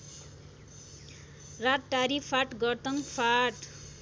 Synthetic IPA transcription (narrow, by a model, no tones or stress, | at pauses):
rat̪̚ʈaɾipʰaʈɡʌrt̪ʌŋpʰaʈ